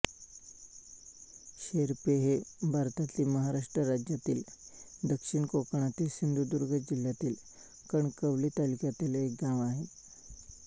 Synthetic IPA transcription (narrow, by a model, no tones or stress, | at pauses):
ɕeɾpeɦebʱaɾt̪at̪liːməɦaɾaʂʈɾəɾad͡ʑjat̪iːld̪əkʂiɳkokɳ̃at̪iːsind̪ʱud̪uɾɡʱəd͡ʑiljat̪iːl | kəɳkəʋliːt̪alikjat̪iːlek̚ɡaʋaɦet̪